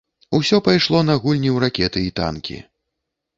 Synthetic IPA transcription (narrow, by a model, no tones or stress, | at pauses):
usʲɔpajʂlˠɔnɐɣulʲnʲiwɾakʲɛt̪ɨit̪a̰nkʲḭ